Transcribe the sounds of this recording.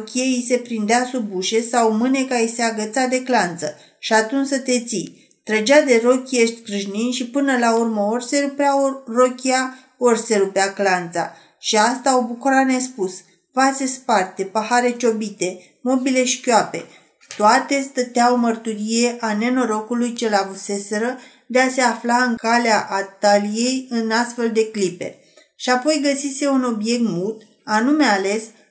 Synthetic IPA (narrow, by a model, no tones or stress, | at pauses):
kʲieise̞pɾind̪easubuʃe̞sawmɨne̞kaiseaɡət̪sad̪e̞klant̪sə | ʃiat̪unt͡ʃʲsət̪e̞t̪sij | t̪ɾəd͡ʒad̪e̞ro̞kʲje̞ʃt̪ʲkɾɨʒninʃipɨnəlaurməorʲse̞upearokʲia | orʲse̞ɾupeaklant̪sa̰ | ʃiast̪aobukuɾane̞spus | vasespart̪e̞pahaɾe̞t͡ʃo̞bit̪e̞ | mo̞bile̞ʃi̥kʲoape̞ | t̪oat̪e̞st̪ət̪eaomərt̪uɾije̞ʔane̞no̞ɾo̞kulujt͡ʃe̞lavuse̞se̞ɾə | d̪e̞ase̞aflaɨŋkaleaʔat̪alije̞jɨnast̪fe̞ld̪e̞klipe̞̰ | ʃiapo̞jɡəsise̞uno̞bje̞k̚t̪mult̪ | anume̞ale̞s